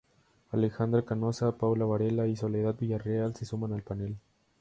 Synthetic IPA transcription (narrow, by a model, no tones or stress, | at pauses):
alexand̪ɾakanosapawlaβaɾelaisoleðat̪̚biʝarealsesumanalpanel